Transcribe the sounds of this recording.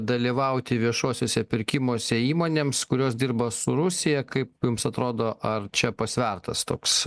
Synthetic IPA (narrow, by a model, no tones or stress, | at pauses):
d̪ɐlʲiːʋɐʊt̪ʲɪʋʲiɛʃuːsʲoːsʲɛpʲɪɾʲkʲɪmoːsʲɛiːmoːnʲeːmskʊɾʲoːsd̪ʲɪɾbɐsʊɾʊsʲɪjɛkɐɪpjʊmsɐt̪ɾoːd̪oːʔɐrt͡ʃʲɛpɐsʲʋʲɛrt̪ɐst̪o̰ːks